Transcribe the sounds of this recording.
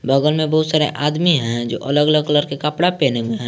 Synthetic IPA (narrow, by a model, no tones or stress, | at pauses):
bəɡəlmẽbɐɦʊt̪saːɾḛʔaːd̪miɦɛ̃d͡ʒo̰ːʔələɡələɡkələɾkekəpɽapeːnemẽɦɛ̃ː